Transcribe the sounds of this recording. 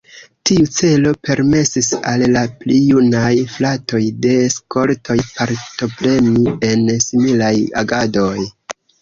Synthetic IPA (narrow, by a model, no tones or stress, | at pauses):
tiut͡se̞lo̞pe̞ɾme̞sisalːaplijunajflato̞jde̞sko̞ltʰo̞jpaɾto̞pɾe̞mie̞nsimilaja̰ɡado̞j